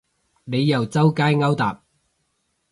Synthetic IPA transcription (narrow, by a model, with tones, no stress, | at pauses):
ne˨˧jːɐ˨˩wt͡sɐ˥wkaː˥jŋɐ˥wt̪a̰ː˨p̚